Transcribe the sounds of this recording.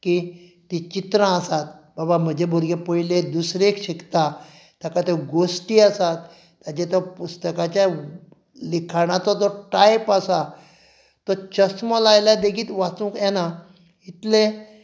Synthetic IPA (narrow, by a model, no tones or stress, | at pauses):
kit̪it͡ɕit̪ɾãəsat̪babam̤əd͡ʑʱebʱoɾɡepɔiled̪usɾekɕikt̪a | t̪akat̪eɡosʈiːasat̪ː | ad͡ʑet̪ɔpust̪əkãt͡ɕja | likʰaɽ̃at͡sɔt̪ɔʈajpasa | t̪ɔt͡ɕəsmɔlajlad̪ekiːt̪ʋat͡sũːkɛna | it̪le